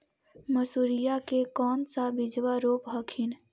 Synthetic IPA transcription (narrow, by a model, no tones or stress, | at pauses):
məsuɾijakekɔːnsabɪd͡ʒwaɾoːpɦəkʰɪn